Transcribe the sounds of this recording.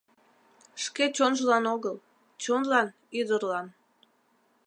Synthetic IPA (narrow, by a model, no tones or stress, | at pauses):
ʃket͡ɕonʒəlɑnoɣəl | t͡ɕonlɑn | yd̪ərlɑn